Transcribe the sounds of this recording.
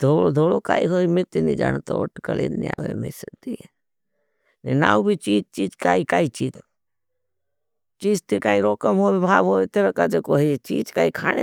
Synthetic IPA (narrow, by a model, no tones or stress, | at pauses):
d̪ʱoːlod̪ʱoːlokaːiɦoːimit̪inĩd͡ʒa̰ːnt̪ooʈkəlḛd̪nia̰ːʋḛmḛsəd̪i | nena̰ːubʱit͡ʃiːd͡ʒt͡ʃiːd͡ʒkaːikaːit͡ʃiːd͡ʒ | t͡ʃiːd͡ʒt̪ikaːiɾoːkəmɦoːbibʱaːʋɦoːit̪eɾəkad͡ʒekoɦit͡ʃiːd͡ʒkaːikʰaːnḛ